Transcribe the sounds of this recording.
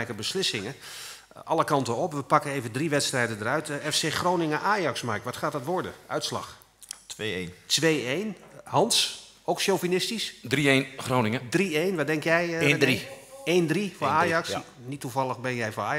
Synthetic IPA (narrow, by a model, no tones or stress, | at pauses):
ɛjkəbəslɪsɪŋə | ʔɑlˠəkɑntəɔpʋəpɑkəejvəndriʋɛtstrɛjdəndərœɥtɛfseːχrownɪŋəʔaːjɑksmarkʋɑtχaːtdɑtʋɔɹdə̰œ̰ɥtslɑ̰x | tʋentʋejejnhɑns | owksjowvinɪstisdrienχrownɪŋədriejnʋɔdɛŋkjɛjiejndrifoaːjɑks | nitːuvɑlˠəɣbɛnjɛjvoaː